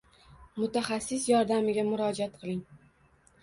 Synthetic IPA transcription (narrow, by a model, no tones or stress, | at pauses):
mʊt̪ʰaχasːɪsjɒɾd̪amɪɡʲamʊɾɒd͡ʒat̪̚qʰɨlˠɪŋ